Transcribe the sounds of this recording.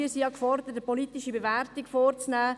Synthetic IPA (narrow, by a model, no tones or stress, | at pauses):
isijɑkfɔrdətəpɔlitɪʃibevɛɾtikfoːɾt͡snæː